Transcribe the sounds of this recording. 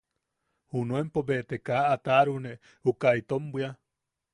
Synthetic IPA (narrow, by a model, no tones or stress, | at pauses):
hunuempobet̪ekaʔat̪aɾune | hukait̪ombwia